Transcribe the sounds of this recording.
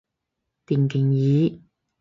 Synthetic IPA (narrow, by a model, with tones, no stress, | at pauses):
t̪iː˨˩nkʰɪ˨˩ŋjiː˨˦